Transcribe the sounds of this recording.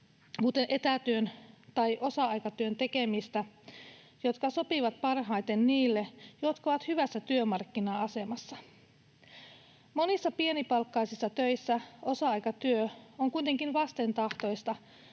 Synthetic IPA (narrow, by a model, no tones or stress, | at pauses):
kut̪e̞nʔe̞t̪æt̪yønt̪ɑjʔo̞sɑɑjkɑt̪yønt̪e̞ke̞mist̪æ | jo̞t̪kɑso̞piʋɑt̪̚pɑrɦɑjt̪e̞nniːlːejo̞t̪kɑoʋɑt̪hyʋæsːæt̪yømɑrkːinɑɑse̞mɑsːɑ | mo̞nisːɑpie̞nipɑlkːɑjsisːɑt̪ø̞jsːæo̞sɑɑjkɑt̪yøoŋkujt̪e̞ŋkinʋɑst̪e̞nt̪ɑht̪o̞jst̪ɑ